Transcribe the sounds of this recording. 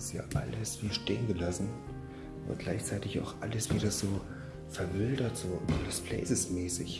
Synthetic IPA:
ɪsja̰ːʔa̰ləsv̥iːʃteːənɡəlasn̩ | ʔʊ̰nt̚ɡ̥laɪçt͡saɪtɪça̰ʊxʔaləsv̥iːdɐz̥oː | fɛɐvɪldɐtz̥oːɾəspʰl̥ɛ̰ɪsəsmɛːsɪ̰ç

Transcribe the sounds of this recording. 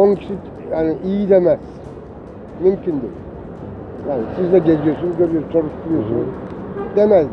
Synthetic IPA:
onucʰi̥ʃi | jaːniʔijid̪emæz̥ | mymcʰynd̪y | jaːnɪsizd̪ɛɟed͡ʒijosunɟøɾijot͡ʃʰoɾuʃt̪ʰuɾujosṵn̰d̪emɛz

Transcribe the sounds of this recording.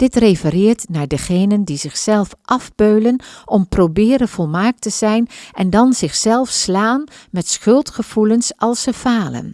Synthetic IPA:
d̥ɪtrefərɪːɹtnaːɹdəχejnəndizɪχsɛlˠfʔɑvbøɥlənʔɔmprowbɪːɾənv̥ɔlˠmaːk̚təzɛjnʔɛndɑnzɪχsɛlˠfslaːnmɛtsχɵlˠtχəv̥ulənsɑlˠsəv̥aːlə̰n

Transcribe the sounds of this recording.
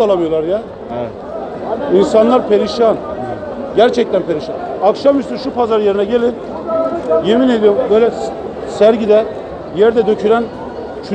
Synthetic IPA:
alˠamɯjolˠaɾja | insanlˠaɾpʰeɾiʃan | ɟæɾt͡ʃʰɛc̚t̪ʰænpʰeɾiʃanakʃamyst̪ynʃupʰazaɾje̞ɾinɛɟelʲin | jemined̪ijombøjlʲɛ | sæɾɟid̪ɛ | jɛɾd̪ɛd̪øcʰyɾæn | t͡ʃʰy

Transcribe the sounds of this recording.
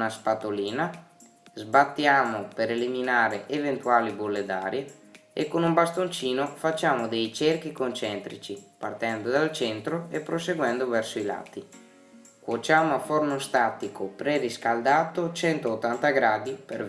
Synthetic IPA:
naspat̪oliːna | zbat̪ːjaːmopeɾeliminaːɾeevent̪uaːlibolːed̪aːɾje | ḛkːonumbast̪ont͡ʃiːnofat͡ʃːaːmod̪ɛjt͡ʃerk̟ikont͡ʃɛnt̪ɾit͡ʃipa̰rt̪ɛnd̪od̪alt͡ʃɛnt̪ɾoepɾoseɡwɛnd̪ovɛrsoila̰t̪ːi | kwot͡ʃaːmoafornost̪at̪ikopɾeriskald̪aːt̪ot͡ʃɛnt̪oːt̪ːant̪aɡɾaːd̪ipeɾ

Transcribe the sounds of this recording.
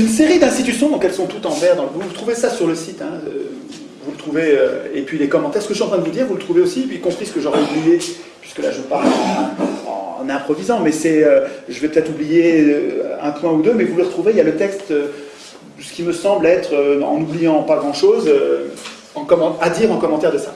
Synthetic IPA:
yns̬eʁid̪ɛ̃st̪it̪ysjɔ̃d̪ɑ̃kɛlsɔ̃t̪ut̪ɑ̃vɛʁd̪ɑ̃ləvut̪χuvesasyʁləsit̪ɛ̃ø̰ | vulət̪χuveøepɥilekɔmɑ̃t̪ɛʁsə̥kəʃyɑ̃t̪χɛ̃d̪əvud̪iːʁvulət̪χuveosipɥikɔ̃pχisə̥kəʒɔʁɛublijepɥiskəla̰ʒəpaʁl̃ | ɑ̰̃nɛ̃pχɔvizɑ̃mɛsɛøʒəvɛpət̪ɛt̪χublijeøɛ̃pwɛ̃ud̪ømɛvuləʁət̪χuveljalət̪ɛkst̪ø | sə̥kʲiməsɑ̃blɛt̪χøɑ̰̃nublijɑ̃paɡʁɑ̃ʃozø | ɑ̃kɔmɑ̃ad̪iʁɑ̃kɔmɑ̃t̪ɛʁd̪əsa

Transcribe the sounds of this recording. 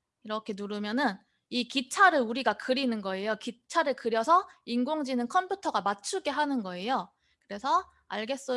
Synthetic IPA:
iɾʌkʰe̞nuɾɯmjʌnɯn | ikit͡ɕʰaɾɯɭuɾiɡakɯɾinɯnɡʌe̞jokit͡ɕʰaɾɯɭkɯɾjʌsʰʌinɡoŋd͡ʑinɯnkʰʌmpʰutʰʌɡamat͡ɕʰuɡe̞ɦanɯnɡʌe̞jo | kɯɾe̞sʰʌ | a̰ɭɡe̞s͈ʌ

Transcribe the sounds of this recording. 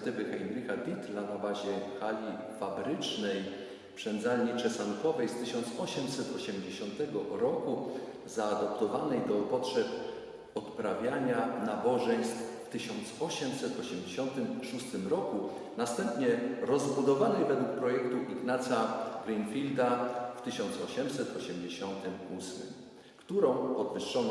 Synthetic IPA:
t̪ɘvɘxajmɾʲikabʲit̪lanabaʑɛkalʲi | fabɾɘt͡ʂnɛj | pʂɛnd̪zalɲit͡ʂɛsankɔvɛjst̪ɘɕɔnt̪sɔɕɛmsɛt̪ɔɕɛmd͡ʑeɕɔnt̪ɛɡɔɾɔku | zaːd̪ɔpt̪ɔvanɛjd̪ɔpɔtʂɛp | ɔt̪pɾavʲjaɲanabɔʐɛɲ̃st̪fft̪ɘɕɔnt̪sɔɕɛmsɛt̪ɔɕɛmd͡ʑeɕɔnt̪ɘmʂust̪ɘmɾɔku | nast̪ɛmpɲɛɾɔzbud̪ɔvanɛjvɛd̪wuk̚pɾɔjɛkt̪uʔiɡnat̪sʲjaɡɾɛjnfʲild̪aft̪ɘɕɔnt̪sɔɕɛmsɛt̪ɔɕɛmd͡ʑeɕɔnt̪ɘmusmɘ̰m | kt̪uɾɔ̃w̃pɔd̪vɘʂːɔn

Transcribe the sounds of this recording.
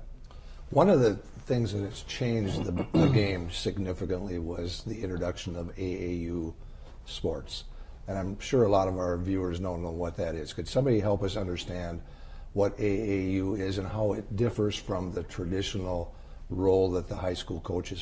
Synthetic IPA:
wʌ̃nʌvðɨ | θɪ̃ŋzðɨt̚ɨz̥t͡ʃʰẽɪ̃nd͡ʒðɨðɨɡẽɪ̃msɨɡ̚nɪfɨkɨ̃nʔliwʌzðiɪ̃ntɹədʌkʃɨ̃nʌveɪejʉ | spɔɹts | ɨ̃ñãɪ̃mʃʊɹəlɔɾʌvaʊə˞vjʉə˞znõʊ̃nə̃wʌt̪̚ðɨɾɪz̥kɨd̥sʌ̃mbɑɾiɦɛlˠpʌsʌ̃ndə˞stæ̃nd̚ | wʌɾeɪeɪjʉɪzɨ̃nɦaʊɪt̚d̥ɪfə˞z̥fɹʌ̃mðɨtʰɹ̥ɨdɪʃn̩l̩ˠ | ɹoʊlˠðət̪̚ðəhaɪskulˠkʰoʊt͡ʃɨz̥

